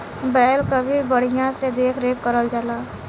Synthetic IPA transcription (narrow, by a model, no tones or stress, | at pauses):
bɛːlkəbʱibəɽ̤ijãsed̪eːkʰɾeːkːəɾəld͡ʒalaː